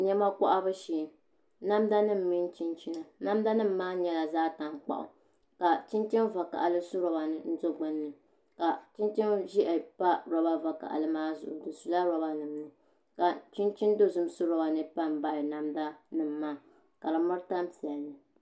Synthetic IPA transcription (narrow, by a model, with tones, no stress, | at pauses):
ɲɛ˦ma˦kɔ˦ʔa˦bɨ˦ʃiː˨ | na˦mda˦nɨ˦m̩˨mi˦n˦t͡ʃi˦nt͡ʃi˦na˨na˦mda˦nɨ˦m̩ː˦aː˦ɲɛ˦la˨zaː˦ta˨ŋk͡pa̰˨ʔʊ̰˨ | ka˨t͡ʃi˦nt͡ʃi˦nva˨ka̰˨ʔa˨lɨ˦su˦ɾɔ˦ba˨nɨ˨n̩˦do˦ɡ͡bɨ˦nːɨ˨ | ka˨t͡ʃi˦nt͡ʃi˦mʒi˦ʔɛ˨pa˦ɾɔ˦ba˦va˨ka̰˨ʔa̰˨lɨ˦maː˦zʊ̰˨ʔʊ̰˨dɨ˨su˨la˦ɾɔ˨˦ba˦nɨ˨mnɨ˨ | ka˨t͡ʃi˦nt͡ʃi˦n˦do˦zʊ˦m˦su˦ɾɔ˦ba˨nɨ˦pa˦m˨ba˨ɪ˨na˦mda˦nɨ˦m̩ː˨˦aː˦˨ | ka˨la˨mʊ˦ɾɨ˦ta˦m˦pi˨ɛ˨lnɨ˨